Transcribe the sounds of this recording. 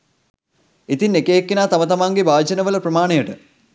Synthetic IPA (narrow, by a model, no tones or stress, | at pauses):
it̪inːekejekːinaːt̪amət̪amaŋɡebaːd͡ʒɐnəʋələprɐmaːɳejəʈə